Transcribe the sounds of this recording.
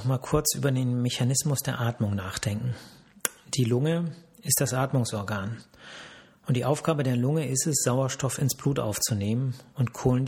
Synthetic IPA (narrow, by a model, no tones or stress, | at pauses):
ɔχmaːlkʰʊɐt͡sʔy̰ːbɐdeːnmeçanɪsmʊsd̥eːɐʔaːtmʊŋnaːχd̥ɛŋkŋ̩ | d̥iːlʊŋəɪst̚d̥asʔaːtmʊŋsɔɐɡaːn | ʔʊntd̥iːʔaʊfɡ̥aːbədeːɐlʊŋəʔɪstɛsz̥aʊɐʃtɔfɪnsb̥luːtʔa̰ʊft͡suneːmənʊntkʰoːln